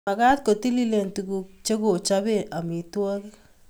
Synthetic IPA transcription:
a˨ka˦t̪̚ko˨t̪i˦li˦le˨nt̪u˨ku˧k̚t͡ʃe˦ko˨t͡ʃa˦be˦˨a˨mi˨twa˦k

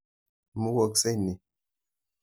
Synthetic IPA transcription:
mu˦wo˨kse˦ni˨

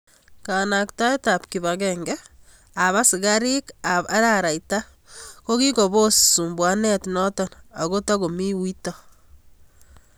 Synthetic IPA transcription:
ka˨na˨kta˦i˦ta˨p̚ki˨βaɡɛŋɡɛ | a˨βa˦si˨ɣa˦ɾi˦ka˨βa˦ɾa˦ɾa˨jta˦ | ko˦ki˦ko˨βo˦su˨mbwa˦nɛ˦tnɔ˦tɔ˨na̰˨ɣo˦ta˦ɣo˨mi˦wi˦tɔ

